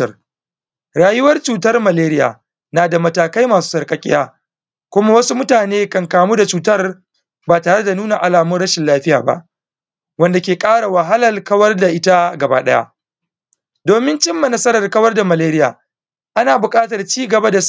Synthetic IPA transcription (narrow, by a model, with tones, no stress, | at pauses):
ɐ˦r | ɽaː˨jʊ˦wɐ˦rt͡ʃuː˨tɐ˦rmɐ˨leː˦ɾɪ˦ja̰ː˨ | naː˨da˨mɐ˨taː˨ka˦jmaː˨su̥ː˦sɐ˨rkʼɐ˨kʲʼɪ̰˦jaː˦ | kʷʊ˦ma˦wɐ˦su˦mʊ˦taː˨neː˦kɐ˨ŋkaː˨muː˦da˨t͡ʃuː˨tɐ˦r | baː˨taː˨ɽɐ˦da˨nuː˦na˨ʔa˨laː˨mʊ˦nɽɐ˦ʃɪ˨nlaː˦ɸɪ˦ja̰ː˨ba̰˦˨ʔ | wɐ˦nda˨kʲeː˨kʼaː˦ɽa˨wa˨ɦa˦lɐ˨lkɐ˦wɐ˦rda˨ʔɪ˦ta˦ɡɐ˨ba̰ː˦ɗɐ̰˦ja̰˦ʔ | doː˨mɪ˦nt͡ʃɪ˦mːa˨nɐ˦sɐ˦ɾɐ˨rkɐ˦wɐ˦rda˨mɐ˨leː˦ɾɪ˦ja̰ː˨ | ʔa˦naː˨bʊ˨kʼaː˦tɐ˨rt͡ʃiː˦ɡɐ˨ba˦da˨s